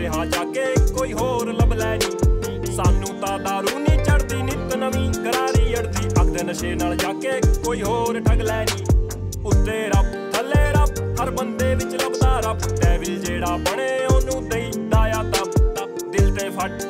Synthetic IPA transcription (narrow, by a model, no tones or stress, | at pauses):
ɪɦãːd͡ʒaːkeːkoːiːɦoːɾləblɛːniː | saːnːũːt̪ãːd̪aːɾuːniːt͡ʃəɽd̪iːnɪt̪nəmĩːkəɾaːɾiːəɽd̪iːʔəkʰd̪eːnəʃeːnaːld͡ʒaːkeːkoːiːɦoːɾʈʰəŋɡlɛːniː | ʊt̪ːeːɾəp̚ | t̪ʰəlːeːɾəp | ɦəɾbənd̪eːʋɪt͡ʃləbd̪aːɾəpʈɛːbɪld͡ʒeːɽaːbəɳeːoːnũːt̪əĩːd̪aːjaːt̪ãːt̪ã | d̪ɪlt̪ẽːpʰəʈ